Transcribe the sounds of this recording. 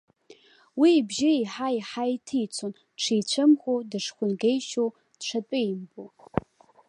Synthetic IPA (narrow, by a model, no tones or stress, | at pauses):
wiːbʒɪiħaiħajtʰijt͡sʷʰon | ʈ͡ʂʰijt͡ɕʷʰɨmχʷodɨʂχʷʊnɡejʃow | d̥ʈ͡ʂʰatʼʊjmbo